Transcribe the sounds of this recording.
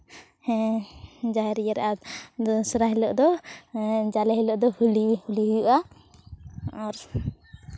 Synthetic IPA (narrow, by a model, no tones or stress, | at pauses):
d͡ʒaɛɾijaɾɛ̰ʔa | sɾaɦɛlɔʔd̪ɔ | d͡ʒalɛɦɛləʔd̪ɔhulihuliɦujuʔa | ɔɾ